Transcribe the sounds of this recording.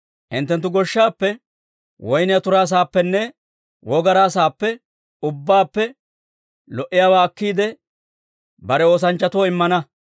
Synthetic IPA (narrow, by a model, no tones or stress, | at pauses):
ʔɪnt̪ːɛnt̪̬ːʊɡɔʃːaːpːɛ | wɔjnɪjɐt̪ʊɾaːs̬aːpːɛnːɛ | wɔɡɐɾaːs̬aːpːɛ | ʊbːaːpːɛ | lɔʔɪjaːwaːɐkːiːd̪ɛ | bɐɾɛo̞ːs̬ɐnt͡ʃːɐt̪woɪmːɐnɐ